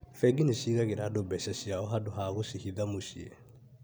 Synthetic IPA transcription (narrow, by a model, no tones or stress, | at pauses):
fɛɡineɕiːɣaɣeɾadobɛsɛɕiaɔɦadoɦaɣosihiðamoɕiɛ